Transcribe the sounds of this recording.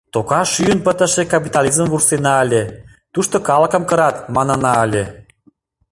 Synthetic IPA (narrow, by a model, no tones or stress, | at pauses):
t̪okɑʃyənpət̪ə̆ʃekɑp̬ʲit̪ɑlʲizəmvursenɑəlʲe | t̪uʃt̪okɑlə̆kə̆mkə̆ɾɑt̪mɑnɤ̆nɑəlʲe